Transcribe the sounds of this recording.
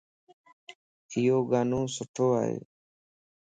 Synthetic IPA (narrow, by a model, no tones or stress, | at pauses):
ɪjoːɡaːnũːsʊʈʰoːa̰ːɦḛː